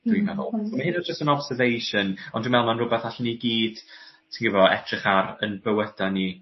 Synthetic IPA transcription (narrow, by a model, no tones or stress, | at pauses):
d̥wimɛvɔ̰lˠsomahɦɪnɔd͡ʒəstənɔb̥sɛrvejʃənɔndwimɛlˠmanrʊbɛθaɬniɡiːd̥ | sʰiŋɡəvɔɛ̰tʰrɪχaɾə̰nbəwəd̥ani